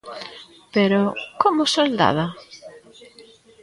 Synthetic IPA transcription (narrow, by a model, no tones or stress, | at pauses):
peɾokomʊsold̪a̰ða